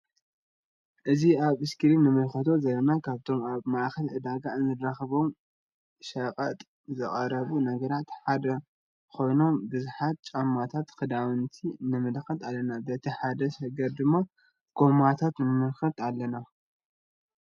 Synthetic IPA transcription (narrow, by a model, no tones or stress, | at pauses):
ʔɨziaβɨskʰɨɾinɨmɨlxɐt̪ʰo̞zɐlɐnakʰaβt̪ʰo̞maβmaʔxɐlʕɨd̪aɡaɨnzɨdɾaxɐβo̞m | ʃɐqʼɐt̪ʼ | zɨχʼɐɾɐβunɐɡɐɾat̪ħad̪ɐ | ko̞jno̞mbɨzħat̪̚t͡ʃʼamːat̪ʰat̪kɨd̪awɨnt̪ʰinɨmɨlxɐt̪alːɐnabɐt̪ʰiħad̪ɐʃɐɡɐɾd̪ɨmːa | ɡ̥o̞mat̪ʰat̪nɨmɨlxɐt̪alːɐna